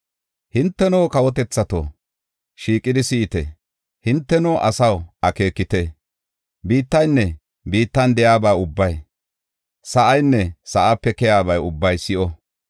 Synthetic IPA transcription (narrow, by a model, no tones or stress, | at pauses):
hɪnt̪ːɛnoːkɐwɔt̪ɛt͡sːɐt̪o̰ | ʃiːkʼːɪd̪ɪsɪʔɪt̪ɛ̰ | hɪnt̪ːɛnoːʔɐsɐwʔɐke̞ːkːɪt̪ɛ | biːt̪ːɐjnːɛ | biːt̪ːɐnd̪ɛjaːbaːʊbːɐj | sɐʔɐjnːɛsɐʔapːɛkɛjaːbɐjʊbːɐjsɪʔɔ